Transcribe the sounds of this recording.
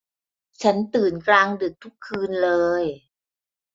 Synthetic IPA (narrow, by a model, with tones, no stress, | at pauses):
t͡ɕʰa˦˥nt̪ɯː˨˩nklaː˧ŋdɯ˨˩k̚t̪ʰu˦˥kʰːɯː˧nlɤː˧j